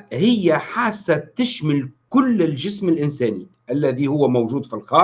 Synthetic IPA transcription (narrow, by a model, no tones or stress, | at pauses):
hɪjːaħaːsːat̪ɪʃmɪlkʊlːɪlʒɪsmɪlʔɪnsæːni | ʔælːæðihʊwːamawʒuːd̪filxɑː